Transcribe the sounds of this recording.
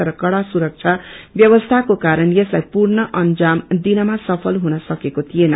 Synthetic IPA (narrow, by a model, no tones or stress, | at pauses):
ʌɾʌkʌɽasuɾʌk̚t͡sʰabjʌbʌst̪ʰakokaɾʌnjʌslajpurnʌʔʌnd͡zamd̪inʌmasʌpʰʌlɦunʌsʌkekot̪ʰienʌ